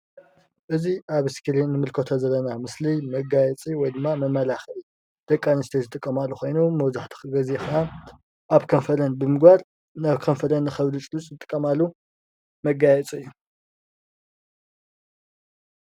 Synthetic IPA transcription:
ʔɨziʔaβɨskʰiɾinːɨmɨlkʰot̪ʰozɐlːɐnamɨslimɐɡajɛt͡sʼiwɔjd̪ɨmːamɐmːɐlaxi | d̪̥ɐkʼːanist̪ʰezɨt̪ʼɨkʼːɐmalːuxʰo̞jnumɐwzaħt̪ʰi̥xɨɡɐzexɐna | ʔaβkʰɐnfɐlɐnbɨmɨɡbaɾ | naβkʰɐnfɐlɐnːɨxɐβlɨt͡ʃʼɨlut͡sʼzɨt̪ʼɨkʼːɐmalːu | mɐɡajɛt͡sʼɨjːu

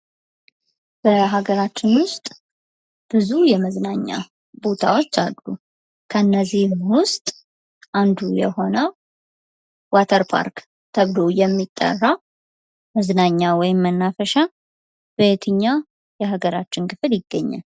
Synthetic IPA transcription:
b̥əɦaɡəɾat͡ʃːɪnwʊst̪ʼ | b̥ɨzujɛməznaɲːa̰ | bo̞t̪ʰa̰wo̞t͡ʃːalːu | kʰəɨnːəzihmwʊst̪ʼ | ʔand̪ujɛ̰ho̞nə | wat̪ʰəɾpʰa̰ɾk | t̪ʰəβlo̞jɛmːit̪ʼːə̰rːa | məznaɲːawɔjɪmːənːafəʃa | bəjɛt̪ʰɨɲːa | jɛɦaɡəɾat͡ʃːɪnkʰɨfɨljɪɡːəɲːa̰l

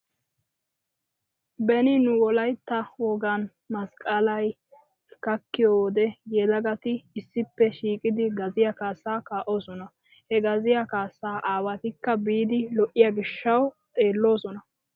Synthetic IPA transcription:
bɛnɪnʊwɔlɐjt̪ːɐwɔɡɐn | mɐskʼɐlɐj | kɐkːɪjoːd̪ɛjɛd̪ɐɡɐt̪ɪːsːɪpːɛʃiːkʼɪd̪ɪɡɐzɪjɐkaːsːaːkaːʔo̞ːsɔnɐ | hɛɡɐzɪjɐkaːsːaːʔaːwɐt̪ɪkːɐbiːd̪ɪlɔʔːɪjaɡɪʃːɐwt̪ʼe̞ːlːo̞ːsɔnɐ

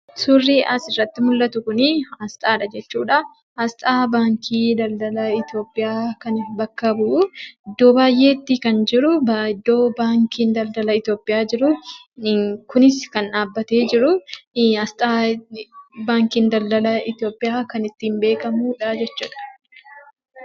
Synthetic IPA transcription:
surːiːʔɐsɪrːɐt̪ːɪmʊlːɐt̪ʊkʊnɪɐst̪ʼaːᶑɐd͡ʒɛt͡ʃːuːᶑɐ | hɐst̪ʼaːbaːŋkʰiːd̪ɐld̪ɐlɐɪt̪jo̞ːpʼːɪjaːkɐnɪbɐkːɐbuːɪd̪ːo̞ːbaːjʔe̞ːt̪ːikɐnd͡ʒɪɾʊɪd̪ːo̞ːbaːŋkiːnd̪ɐld̪ɐlɐɪt̪jo̞ːpʼːɪʔjaːd͡ʒɪɾʊ | kʊnɪskɐnʔaːbːɐt̪e̞ːd͡ʒɪɾʊɐst̪ʼaː | baːŋkiːnd̪ɐld̪ɐlɐɪt̪jo̞ːpʼːɪjaːkɐnɪt̪ːiːmbe̞ːkɐmuːᶑɐd͡ʒɛt͡ʃːṵːᶑɐ̥

